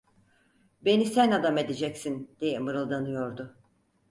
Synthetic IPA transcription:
be̞nisænad̪ame̞d̪ed͡ʒɛcsind̪̥ejɛmɯɾɯlˠd̪anɯjo̞ɾd̪ʊ

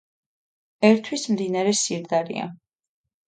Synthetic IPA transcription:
ɛɾt̪ʰwismd̪inaɾɛsiɾd̪aɾḭa̰

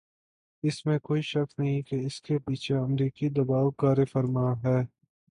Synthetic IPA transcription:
ɪsmẽkoːiʃɐknɐɦĩkeɪskepiːt͡ʃʰeɐmɾiːkid̪ɐbaːʋkaːɾefəɾmaɦɛː

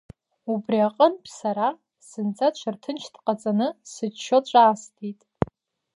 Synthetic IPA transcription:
ubriaqʼənpʰʼsaɾa | sɨnt͡sʰʼat͡ʃʷʰartʰɨnt͡ʃʰtqʼat͡sʼanɨsɨt͡ʃʃot͡ʃʷʼaːstʰitʼ

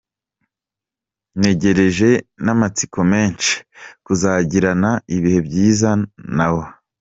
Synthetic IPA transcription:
ne̞ɟe̞ɾe̞ʒe̞namat͡sikʰo̞me̞ːnt͡ʃi̥kuzaːɟiɾanaiβihe̞bɟiːzanawo

